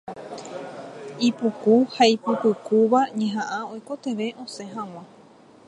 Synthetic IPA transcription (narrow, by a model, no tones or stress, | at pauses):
ipukuhaipɨpɨkuʋaɲẽɦãʔãojko̞t̪e̞ʋe̞ʔõ̞sẽ̞ɦãw̃ã